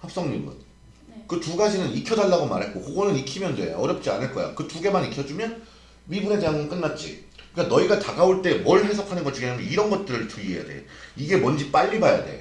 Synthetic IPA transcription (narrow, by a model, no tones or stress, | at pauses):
hap̚s͈ʌŋɲimɯ̰n | kɯtuɡad͡ʑinɯnikʰjʌdaɭːaɡomaɾɦet̚k͈ohoɡonɯnikʰimjʌndḛʌɾjʌp̚t͡ɕ͈ia̰nɯɭk͈ʌja̰kɯtuɡe̞manikʰjʌd͡ʑumjʌn | ɥibunedeaŋʌnk͈ɯnːat̚t͡ɕ͈ḭ | ɯik͈anʌiɡataɡaoɭt͈e̞mwʌɭhe̞s̬ʰʌkʰanɯnɡʌt͡ɕiɡiamjʌniɾʌnɡʌt̚t͈ɯɾɯɭtɯʎieja̰dḛiɡe̞mʌnd͡ʑip͈aʎːibajade̞̰